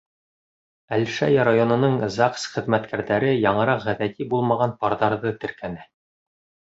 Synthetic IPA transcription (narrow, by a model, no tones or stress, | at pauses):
ælʃæ̰jɑɾajonɤ̆nɤɴzɑqsχɘ̆ðmæt̪kʰæɾðæɾɘjɑɴɤ̆ɾɑqʁæðæt̪ʰibulˠmɑʁɑnpɑɾðɑɾðɤt̪ɘ̆ɾkʰænæ